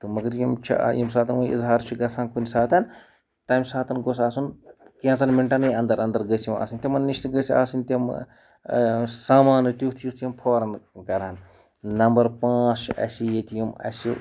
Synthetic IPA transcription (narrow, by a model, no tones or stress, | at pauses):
t̪ɨmɐɡɐɾjimt͡ʃʰḭjimsaːt̪ʰɐnɐnḭzɦaːɾt͡ʃʰiɡɐsʰaːnkunisaːt̪ɐn | t̪aːmsaːt̪ɐnɡosaːsunkjãːt͡sɐnmiɳʈɐnɨjɐnd̪ɐɾɐnd̪ɐɾɡəsʲjima̰ːsɨnʲt̪ʲimɐnnːiʃt̪ɡəsʲiaːsɨnʲt̪ʲim | saːmaːnɨt̪it̪ʰjut̪ʰjimpʰoːɾɐnkɐɾan | nɐmbɐɾpãːt͡ʃɐ̰sijet̪ʰjimɐ̰sʲi